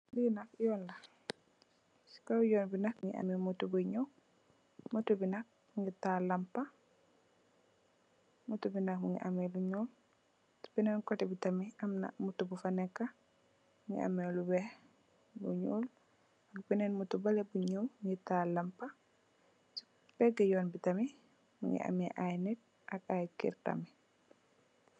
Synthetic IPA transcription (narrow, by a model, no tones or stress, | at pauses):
linakjɔnla | si̥kawjɔnbinak̚ŋɡḭʔa̰mɛmutubuɲɔ | mutubinak̚ | uŋɡitalampa | mutubinakmuŋɡḭʔamɛluɲuːl | si̥bɛnɛnkɔtibitamiʔamna̰mutːubufanɛkːa | ŋɡɛ̰a̰mɛlubɛ | lṵɲul | akbɛnɛnmutubalɛbuɲulmŋɡɛtalampa | s | b̥ɛɡɛjɔnbitami | mṵŋɡɛ̰ʔa̰mɛʔajnɛt̚ | ʔakajkḭɾta̰mi